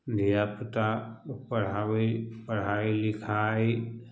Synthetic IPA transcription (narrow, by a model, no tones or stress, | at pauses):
d̪ʱijaput̪apɐɽ̤aːwepəɽ̤aːilɪkʰaːi